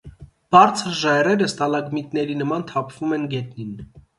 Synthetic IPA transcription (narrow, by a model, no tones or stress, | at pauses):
b̥ɑɾt͡sʰəɾʒɑjrɛɾəst̪ɑlɑɡmit̪nɛɾinəmɑnt̪ʰɑpʰv̥umɛnɡɛt̪nin